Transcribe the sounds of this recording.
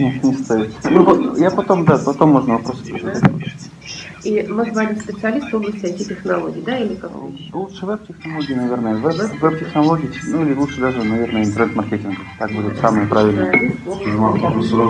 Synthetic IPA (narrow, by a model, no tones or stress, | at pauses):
nʲɪnʲɪst̪aɪt̪snupɐjapɐt̪o̞md̪apɐt̪o̞mːo̞ʐnəvɐpɾosə̥pɾɪzɪat̪ʲ | imɨzvalʲɪspʲɪt̪sɨɐlʲist̪oblˠəsʲt̪ʲɪet̪ʲɪtʲɪxnɐlˠoɡʲɪːd̪ailʲɪkak | lˠut̪ʂɨvɛb̚tʲɪxnɐlˠoɡʲɪːnɐvʲernəjəvɛɛvɛb̚tʲɪxnɐlˠoɡʲɪnuilʲɪlˠutʂɨd̪aʐɨnɐvʲernəjəɪnt̪ərnɛt̪mɐrkʲetʲɪnɡət̪ak̚budʲɪt̪samɨjəpɾavʲɪlʲnəmat̪d̪uɾo